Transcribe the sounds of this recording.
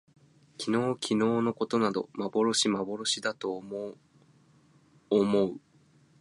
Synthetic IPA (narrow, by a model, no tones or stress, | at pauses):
kʲʰino̞ːkʲʰino̞ːno̞ko̞t̪o̞nad̪o̞̰mabo̞ɾo̞ɕimabo̞ɾo̞ɕid̪at̪o̞ | mo̞ɯ̟